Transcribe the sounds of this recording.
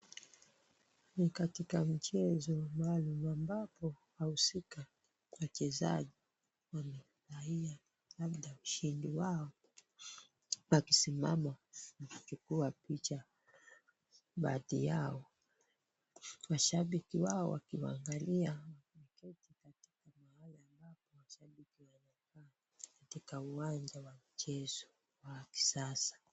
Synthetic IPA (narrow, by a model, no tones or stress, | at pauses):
nikatikam̩t͡ʃɛzɔmaːlumambapɔ | hahusika | wat͡ʃɛza̰ʄi | wanɛ | ɾaia | laɓɗauʃindiwaɔ | wakisima̰manafkikuwapit͡ʃa | ɓa̰ðḭjaɔ | waʃaɓikiwaɔwakiwa̰ŋɡaliawamɛkɛtikati̥kamahalaːmbapɔwaʃaɓikiwanakaː | katikauwand͡ʒawamit͡ʃɛzɔ | waki̥sasḁ